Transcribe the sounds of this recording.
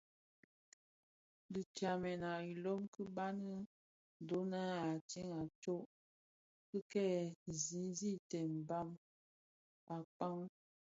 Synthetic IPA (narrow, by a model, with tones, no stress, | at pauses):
di˨t͡ʃa˨mɛ˨na˨i˨lɔ˦mkə˦ba˦nə˦˨ | do˨˦na˦a˨t͡ʃi˦ŋa˨t͡ʃo˦ʔ | kə˦kɛ˦zi˨˦n˦zi˦˨tɛ˨m˨ba˦m | a˨k͡pa˦ŋ